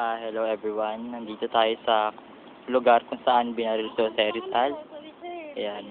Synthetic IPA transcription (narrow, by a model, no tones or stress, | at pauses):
hɛlowʔɛbɹiwanːɐnd̪iːt̪ot̪aːjo̞sɐ | lʊɡaɾkʊŋsɐʔanbɪnaɾɪlt̪osɐɛɾɪsal | ʔɐjan